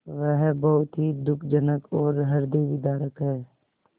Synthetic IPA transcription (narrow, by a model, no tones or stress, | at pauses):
ʋɛɦbɐɦʊt̪ɦid̪ʊkʰd͡ʒənəkʰɔːɾɦɐɾd̪iʋɪd̪aːɾəkɦɛː